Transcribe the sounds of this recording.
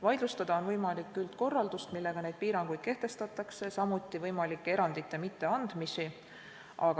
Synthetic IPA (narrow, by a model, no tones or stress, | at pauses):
vɑjd̪lust̪ɑd̪̥ɑo̞nvɤjmɑlikːˑylt̪ko̞rːɑld̪ust̪milːe̞ɡ̥ɑne̞jd̪̥̚piːɾɑŋɡ̥ujd̪̥̚ke̞ht̪e̞st̪ɑt̪ːˑɑkse̞sɑmut̪ˑːivɤjmɑlikːˑe̞ɾɑnd̪̥it̪ːˑemit̪ːe̞ɑnd̪̥misi | ʔɑɡ